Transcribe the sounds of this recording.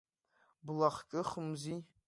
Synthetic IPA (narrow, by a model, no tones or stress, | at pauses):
blaχkʲʼɨχəmzi